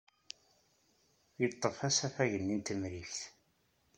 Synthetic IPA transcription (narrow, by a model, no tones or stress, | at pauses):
jət̪ˤːəfæsæθæʝənːint̪əmɾiçθ